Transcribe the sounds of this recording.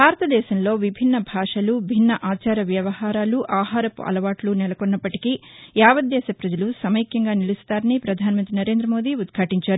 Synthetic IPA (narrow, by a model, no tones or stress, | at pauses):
bʱaːɾɐt̪ɐd̪ɛːʃɐmlo̞ːʋibʱinːɐbʱaːʂɐlubʱinːɐʔaːt͡ʃaːɾɐʋjɐʋɐhaːɾaːluʔaːɦaːɾɐpɐ̰lɐʋaːʈlunɛlɐkonːɐpːɐʈi̥ki | jaːʋɐd̪d̪ɛːʃɐpɾɐd͡ʒɐlusɐmɐjkjɐŋɡaːnilust̪aːɾɐnipɾɐd̪ʱaːnɐmɐnt̪ɾinɐɾe̞ːnd̪ɾɐmo̞ːd̪iud̪kʰaːʈiɲt͡ʃaːɾu